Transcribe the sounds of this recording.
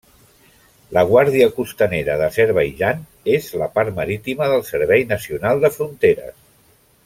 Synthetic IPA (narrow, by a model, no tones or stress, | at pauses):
ləɣ̞waɾðiəkust̪əneɾəðəsɛɾβəjʒan | ezləpaɾt̪məɾit̪iməðəlˠsəɾβ̞ɛjnəsiunalˠd̪əfɾunt̪eɾə̰s